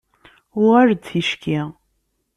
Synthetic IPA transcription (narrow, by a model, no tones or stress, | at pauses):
ʊʁaɾt͡sːiʃkʰi